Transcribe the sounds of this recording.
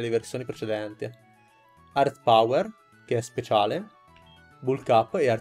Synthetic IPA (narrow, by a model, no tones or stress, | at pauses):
leversjoːnipɾet͡ʃed̪ɛnt̪i | art̪pawer | keɛspet͡ʃaːle | bulkapːear